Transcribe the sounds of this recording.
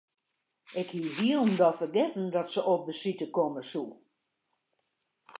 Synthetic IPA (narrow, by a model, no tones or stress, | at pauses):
ɪkhiʋiəlˠndɔfərɡɪtn̩dɔtsəʔop̚bəsitəkoməsu